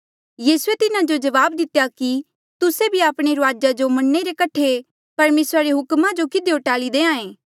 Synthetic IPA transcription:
jiːsuet̪ɪnad͡ʒod͡ʒɐʋaːbd̪ɪt̪ejaki | t̪ʊsebʱiaːpɽ̃eɾʊaːd͡ʒad͡ʒomɐnːeɾekɐʈʰe | pɐɾmeːsɾaɾeɦʊkmãd͡ʒokɪd̪eʊʈaːlid̪eːãːẽː

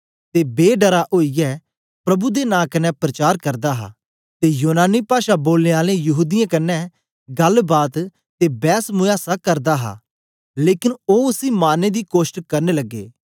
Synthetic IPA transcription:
t̪eːbeːɖəɾaʔoːijɛː | pɾɐbud̪eːnãːkɐnɛ̃ːpɾət͡ʃaːɾkəɾd̪aːɦa̰ː | t̪eːjuːnaːniːpaːʃaboːlneːaːlẽjɐɦuːd̪ɪjãkɐnːɛ̃ː | ɡəlbaːt̪ | t̪eːbɛːsmʊjaːsakəɾd̪aːɦa̰ː | leːkɪnoːʊsiːmaːneːd̪iːkoːʃʈkəɾneːləɡːḛː

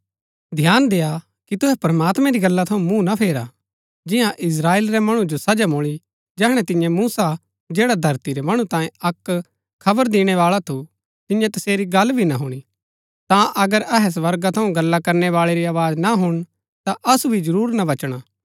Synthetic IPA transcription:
d̪ʱjaːnd̪eːja | kit̪ʊɦɛpɐɾɐmaːt̪mɛ̃ɾiɡɐlːat̪ʰɐũmũnapʰeːɾa | d͡ʒɪ̃jãʔɪs̬ɾaːeːlɾɛmɐɽ̃ũd͡ʒosɐd͡ʒamoːɭ̃i | d͡ʒɛːɦɽ̃ɛt̪ɪ̃jɛ̃muːsa | d͡ʒeːɽad̪ʱɐɾt̪iɾɛmɐɽ̃ũt̪ãːjẽɐkʰː | ɐbəɾd̪ɪɽ̃ɛʋaːɭat̪ʰu | t̪ɪ̃jɛ̃t̪ɐseːɾiɡɐlbʱinaɦuɽ̃i | t̪ãʔɐɡəɾɐɦɛs̬ʋɐɾɡat̪ʰɐũɡɐlːakɐɾnɛʋaːɭeɾiaːʋaːd͡ʒnaɦʊɽ̃ | t̪aʔɐsubʱid͡ʒɐɾuːɾnaʋɐt͡ʃɽ̃aː

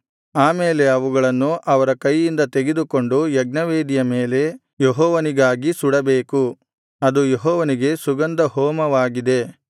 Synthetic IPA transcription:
aːmeːle̞ɐʋuɡɐɭɐnːuʔɐʋɐɾɐkɐjːind̪ɐt̪eɡed̪uko̞ɳɖujɐɡ̚nɐʋeːd̪ijɐmeːle̞ | jeɦɔːʋɐniɡaːɡisuɽɐbeːku | ɐd̪ujeɦɔːʋɐniɡe̞suɡɐnd̪ɐɦɔːmɐʋaːɡid̪e̞

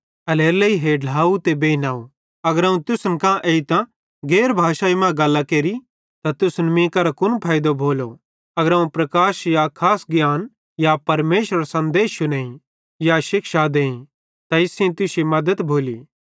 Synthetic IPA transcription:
ɐleːɾleiɦeːɖlaːut̪ebeːinaːo | ɐɡəɾɐũt̪ʊsnkãʔeit̪ã | ɡeːɾbʱaːʃaːimãɡɐlːakeːɾi | t̪at̪ʊsnmĩkɐɾakʊnpʰaːjd̪obʱoːlo | ɐɡəɾɐũpɾɐkaːʃjakʰaːsɡjaːn | japɐɾmeːʃɾɐɾasɐ̃nd̪eːʃʊneːĩ | jaʃɪkʃad̪eːĩ | t̪aɪsẽt̪ʊsimɐd̪ət̪bʱoːliː

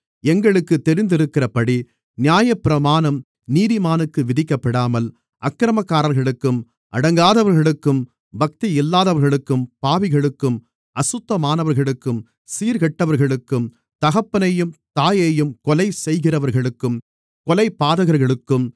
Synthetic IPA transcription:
ɛŋɡɐɭɯkːɯt̪ːɛɾɪnd̪ɪɾɯkːɪrɐpɐɽi | nɪjaːjɐpːɪɾɐmaːnɐm | niːðɪmaːnɯkːɯʋɪðɪkːɐpːɐɽaːmɐl | ʔɐkːɾɐmɐkːaːɾɐɾɣɐɭɯkːɯm | ʔɐ̰ɽɐŋɡaːðɐʋɐɾɣɐɭɯkːɯm | bɐk̚t̪iɪlːaːðɐʋɐɾɣɐɭɯkːɯmpaːʋɪɣɐɭɯkːɯm | ɐsʊt̪ːɐmaːnɐʋɐɾɣɐɭɯkːɯm | siːɾɣɛʈːɐʋɐɾɣɐɭɯkːɯm | t̪ɐɣɐpːɐnɐjɯmt̪aːjɐjɯmkɔlɐɪsɛjɣɪrɐʋɐɾɣɐɭɯkːɯm | kɔlɐɪpːaːðɐɣɐɾɣɐɭɯkːɯm

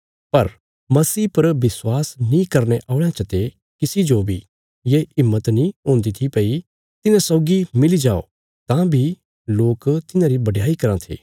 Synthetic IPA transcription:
pɐɾ | mɐsiːpɐɾʋɪswaːsnĩkɐɾneʔaːʊɭãt͡ʃɐt̪e | kɪsid͡ʒobʱi | jeɪmːət̪nĩɦõːnd̪it̪ʰipɐi | t̪ɪnãsɔːɡimɪlid͡ʒaːo̰ː | t̪ãbʱi | loːkt̪ɪnãɾibɐɖjaːikɐɾãt̪ʰḭː

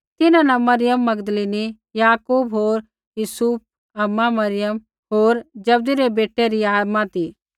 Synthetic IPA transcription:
t̪ɪnãnɐmɐɾɪjəmːɐɡd̪leːni | jaːkuːbɦoːɾ | juːsuːp̚ | ɐmːamɐɾɪjəm | ɦoːɾd͡ʒɐb̚d̪iɾebeːʈːeɾiaːd̪mãt̪iː

